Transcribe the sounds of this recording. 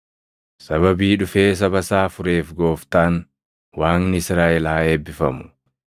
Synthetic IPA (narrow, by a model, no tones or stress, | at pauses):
sɐbɐbiːᶑʊfe̞ːs̬ɐbɐsaːfʊɾe̞ːfɡo̞ːft̪aːn | waːnnɪɪsɾaːʔɛlːeːbːɪfɐ̰mʊ̥